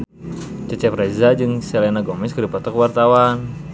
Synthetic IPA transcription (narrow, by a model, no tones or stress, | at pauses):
t͡ʃət͡ʃɛprezad͡ʒɨŋsɛlenaɡɔmɛskədipɔt̪ɔkwart̪awan